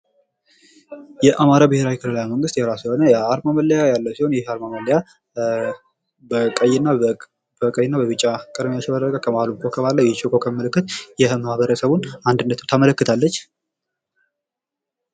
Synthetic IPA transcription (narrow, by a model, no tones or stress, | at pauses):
jɛʔamaɾabɨhe̞ɾawikʰɨlɨlajməŋɡɨst̪jɛɾasjho̞nəjaɾmaməlːəjajalːəwsiho̞njɛhaɾmaməlːəja | bəkʼəjɪnːa | bəkʼəjɪnːabəβɨt͡ʃʼːakʼəd̪mijaʃɪbəd̪əkʼakʰəmahlukʰʼokʰəβalːəwjɛt͡ʃokʼokʰəmːəlɨkːɨt̪jɛmahβəɾəsəβunand̪ɨnːət̪ut̪ʰamələkːɨt̪ʰalːət͡ʃː